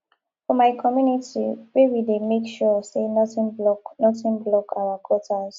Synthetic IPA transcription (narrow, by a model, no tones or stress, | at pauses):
fɔmajkʰɔmjunitʰḭwewidemekʃɔsenɔtĩnɔnɔtĩnblɔkawakʰɔtʰaz̥